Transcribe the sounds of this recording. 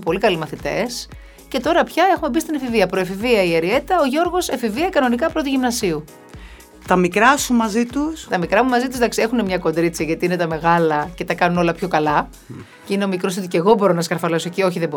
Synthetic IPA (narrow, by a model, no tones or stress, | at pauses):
po̞likɐlimɐθit̪e̞̰s | ce̞t̪o̞ɾɐpçɐe̞xume̞bist̪inɐfiviɐpɾo̞efiviɐieɾie̞t̪t̪ɐoʝo̞ɾɣo̞sefiviɐkɐno̞nikɐpɾo̞t̪uʝimnɐsiu | t̪ɐmikɾɐsumɐzit̪ust̪ɐmikɾɐmumɐzit̪uzd̪ɐksie̞xune̞mɲɐko̞nd̪ɾit͡sɐʝɐt̪iinet̪ɐme̞ɣɐlɐce̞t̪ɐkɐnuno̞lɐpço̞kɐlɐ | ceineo̞mikɾost̪it̪uceɣo̞bo̞ɾo̞nɐskɐɾfɐlesocio̞çiðebo